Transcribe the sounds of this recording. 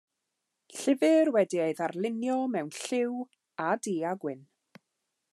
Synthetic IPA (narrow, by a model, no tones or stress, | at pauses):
ɬɪvɨrwɛdieɨðarlˠɪnjɔmɛwnɬɪw | adiːaɡwɪn